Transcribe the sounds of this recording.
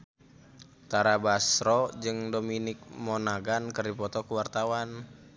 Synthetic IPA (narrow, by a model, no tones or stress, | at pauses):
t̪aɾabasɾɔd͡ʒɨŋdominɪk̚mɔnaɡankɨrdipɔt̪ɔkuwart̪awan